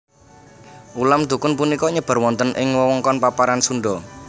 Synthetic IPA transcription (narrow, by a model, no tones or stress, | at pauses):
ʔulamd̪ṳkʊnpunikɔɲəb̥a̤rwɔnt̪ənʔɪŋwɔwɔŋkɔnpapaɾansuɳɖɔ